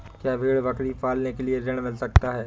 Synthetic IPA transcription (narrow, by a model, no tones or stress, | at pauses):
kjaːbʱeːɽʋɐkɽifaːlnekelieɾɪɽ̃mɪlsɐk̚t̪aɦɛː